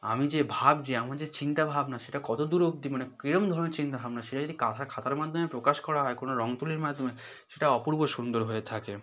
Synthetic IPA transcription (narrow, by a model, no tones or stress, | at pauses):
a̰mid͡ʑebʱabd͡ʑeamaɾd͡ʑet͡ɕint̪abʱabnaʃeʈakɔt̪od̪uɾok̚d̪imanekɾiɾomd̪ʱɔɾoneɾt͡ɕint̪abʱabnaʃeʈad͡ʑod̪ikat̪ʰaɾkʰat̪ʰaɾmad̪ʱomepɾokaʃkɔɾaɦɔekonoɾɔŋt̪uliɾmad̪ʱːome | ʃeʈaɔpuɾboʃund̪oɾɦoet̪ʰake